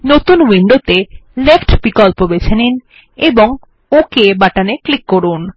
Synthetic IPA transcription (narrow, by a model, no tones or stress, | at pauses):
not̪unwiɳɖot̪elefʈpikɔlpobet͡ɕʰenin | eboŋ | okebaʈaneklikːoɾun